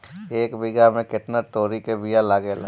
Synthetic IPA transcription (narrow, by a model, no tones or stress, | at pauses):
eːkbɪɡamẽkɪt̪nat̪oːɾikebijalaɡela̰